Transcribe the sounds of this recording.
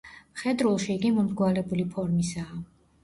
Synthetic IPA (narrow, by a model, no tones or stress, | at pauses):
χɛd̪ɾulˠʃiːɡimɔmɡwalɛbulipʰɔɾmisaː